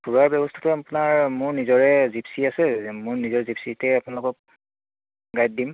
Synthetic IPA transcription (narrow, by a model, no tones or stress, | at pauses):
bʰuɹaɹbɔbɔstʰḁtʊapʊnaɹmʊɹnizɔɹɛzipsiasɛmʊɹnizɔɹɛzipsitɛapʊnalʊkɔk̚ | ɡajt̚dim